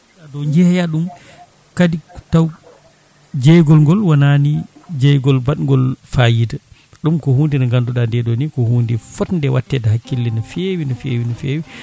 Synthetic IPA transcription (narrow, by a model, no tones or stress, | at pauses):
adɔɲd͡ʒɛhjaɗum | kaditaw | d͡ʒɛjɡɔlŋɡɔlwananid͡ʒɛjɡɔlbaɗŋɡɔlfajida | ɗumkɔhuːndinaŋɡanduɗandɛɗɔnikɔhuːndifɔtndɛwatːɛdaɦakːilːinafewinɔfḛːwinɔfeːwi